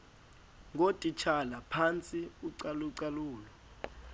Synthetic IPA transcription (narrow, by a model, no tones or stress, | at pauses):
ŋotʼit͡ʃʰalapʰant͡sʼiuǀaluǀaluːlɔ